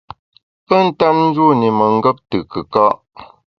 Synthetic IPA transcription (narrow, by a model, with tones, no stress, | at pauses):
pə˦˨n̩˦ta˦mn̩˦d͡ʒu˦˨ni˨mə˨ŋ̩˦ɡə˦p̚tɨ˨kə˨kɔ˦ʔ